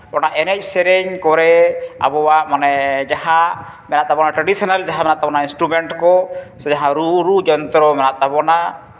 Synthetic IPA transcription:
bɔnaʔɛnɛc̚ˀsɛɾɛɲkɔɾɛa̰bɔwaʔmanɛd͡ʒaha | mɛnat̪abɔnaʈɾɛɖisɔnald͡ʒaɦamɛnaʔt̪abɔnainsʈɾubɛɳʈkɔsɔd͡ʒaɦãɾuɾud͡ʒɔnt̪ɾɔmɛnat̪abɔna

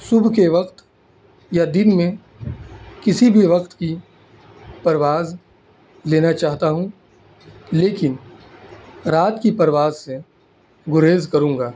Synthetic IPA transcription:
sʊbʱkeʋɐqt̪ | jad̪ɪnmẽ | kɪsibʱiʋɐqt̪ki | pɐɾʋaːz | leːnat͡ʃaːɦt̪aɦũ | leːkɪn | ɾaːt̪kipɐɾʋaːzse | ɡʊɾeːzkɐɾũːŋɡaː

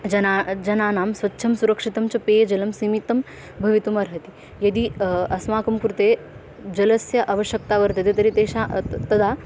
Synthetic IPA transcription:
d͡ʒɐnaːd͡ʒɐnaːnaːmsʋɐtːʃʰɐmsuɾɐkʂit̪ɐmt͡ʃɐpeːd͡ʒɐlɐmsiːmit̪ːɐm | bʱɐʋit̪umɐɾɦɐt̪i̥ | jɐd̪iɐsmaːkɐmkɾut̪eː | d͡ʒɐlɐsjɐʔɐʋɐʃjɐk̚t̪aːʋɐɾt̪ɐt̪et̪ɐɾit̪eːʃaːt̪ɐd̪ʱaː

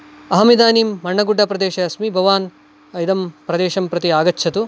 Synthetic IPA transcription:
ɐɦɐmid̪aːniːmːɐɳːɐɡuɖʱːɐpɾɐd̪eːʃɐɐsmibʱɐʋaːn | ɐjd̪ɐmpɾɐd̪eːʃɐmpɾɐt̪iaːɡɐtːʰɐt̪u

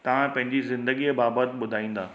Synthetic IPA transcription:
t̪ɐʋ̤ãpɐ̃ɦɪ̃ɲd͡ʑizɪ̃nd̪əɡiebaːbət̪ɓʊd̪ʱaːĩːnd̪aː

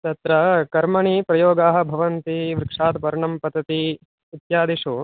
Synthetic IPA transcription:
t̪ɐt̪ɾɐkɐɾmɐɳiːpɾɐjoːɡaːɦɐ̆bʱɐʋɐnt̪iʋɾɪkʂaːt̪pɐɾɐɳɐmpɐd̪ɐt̪i | it̪jaːd̪iʂuː

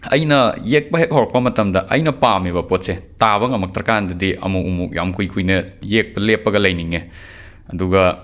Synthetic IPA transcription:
ɐjnɐjek̚pɐɦek̚howɾɐk̚pɐmɐtɐmdɐʔɐjnɐpamiβɐpot̚setaβɐŋɐmɐk̚tɐɾɐkandɐdiʔɐ̰muumuk̚ja̰mkʰujkʰujnɐjek̚pɐlepːɐɡɐlɐjniŋe | ɐduɡɐ

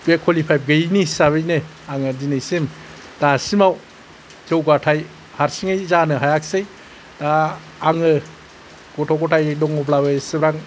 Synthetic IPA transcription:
bekʰɔlipʰajb̚ɡɯjnisaβɯjnɯ | aŋɯdinɯjsem | d̥asimaw | zɯwɡatʰaj | haɾsiŋɯjzanɯɦajak̚sɯj | d̥aː | ŋɯ | ɡ̥ɔtʰɔkɔtʰajdɔŋɔb̬labɯjsɯbɾaŋ

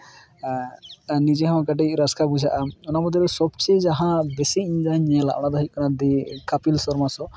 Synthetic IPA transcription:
nid͡ʒɛɦɔ̃kaʈɛɾaskabud͡ʒaʔaɔnamɔd̪ʱɔɾɔsɔbt͡ʃid͡ʒaɦãbesiiɲd͡ʒaɲɛ̃la̰ʔɽ̃ad̪ɔɦit̚ˀkɔnad̪ikapilsɔɾmasɔ

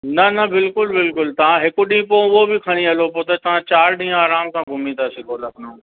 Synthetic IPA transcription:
nɐnɐbɪlkʊlbɪlkʊlt̪ɐʋãɦɪkʊɗĩːpoːʊɦobɪkʰɐɽ̃ĩɐlopoːt̪ɐt̪ɐʋ̤ãt͡ɕaːɾɗĩːaːɾaːmsãɡʱʊmĩt̪ʰasɪkʰolɐkʰnõː

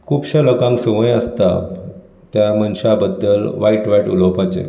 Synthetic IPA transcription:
kʰuːbɕaləkãŋksəʋə̃jəst̪a | t̪jamənɕabəd̪ːəlʋaiʈʋaiʈṵlopat͡ɕḛ

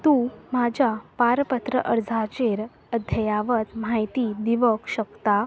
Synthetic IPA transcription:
t̪ũmad͡ʑʱapaɾpət̪ɾəʔəɾd͡zʱat͡ɕeɾ | əd̪ʱjəjaʋət̪m̤ajt̪iːd̪iʋəkɕəkt̪a

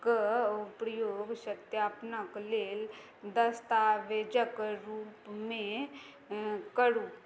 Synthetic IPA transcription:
kpɾəjoːɡʃət̪jaːpnəkleːl | d̪əst̪aːʋeːd͡ʒəkɾuːpmẽ | kəɽuː

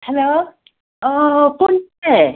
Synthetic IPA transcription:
helo | ʌpone

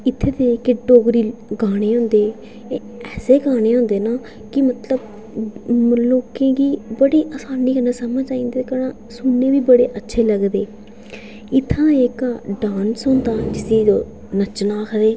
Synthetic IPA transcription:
ɪt̪ʰːeːt̪ekeɖoːɡɾiːɡaːɽ̃eːɦʊ̃ːnd̪eː | ɛːseːɡaːɽ̃eːɦõːnd̪eːnaː | kɪmət̪ləb | loːkẽːɡiːbəɽeːʔaːsaːniːkənãːsəməd͡ʒaːĩːnd̪eːkənãː | sʊnːeːʋiːbəɽeːʔətːʃʰeːləɡd̪eː | ɪt̪ʰːãːeːkaːɖaːnsʊnd̪aːd͡ʒɪsiː | nət͡ʃnaːkʰəɾeː

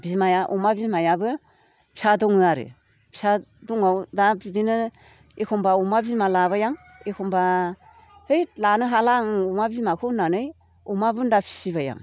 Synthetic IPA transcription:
bimajaʔumabimajabɯ | pʰi̥sadɔŋɯaɾɯ̰ | pʰi̥sadɔŋawdabidinɯ | ekʰɔmbaumabimalaβajaŋ | ekʰɔmba | hɯjlanɯɦalaŋumabimakʰɯnanɯj | umabɯndapʰi̥sibaja̰ŋ

